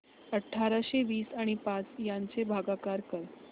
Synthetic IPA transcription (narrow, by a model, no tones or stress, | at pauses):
əʈʰːaɾaɕeʋiːsaɽ̃ipat͡sjaɲt͡sebʱaɡakaɾkəɾ